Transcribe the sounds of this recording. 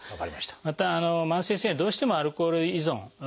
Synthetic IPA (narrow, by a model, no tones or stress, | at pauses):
aka̰ɾiaɕt̪ḁmat̪aːnomãɰ̃seːsẽd̪o̞ːɕi̥t̪e̞moaɾɯ̟koːɾɯizõŋ